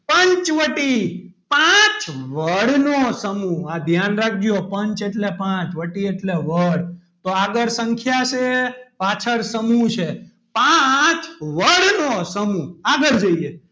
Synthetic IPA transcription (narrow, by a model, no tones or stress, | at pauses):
pəɲt͡ʃʋəʈi | pãt͡ʃʋəɽnosəmũad̪ʱjanɾak̚ʰd͡ʒjopəɲt͡ʃeʈlepãt͡ʃʋəʈieʈleʋəɽ | t̪oaɡəɾsəŋkʰjat͡ʃʰepat͡ʃʰəɾsəmũt͡ʃʰe | pat͡ʃʋəɽnosəmuaɡəɾd͡ʒəie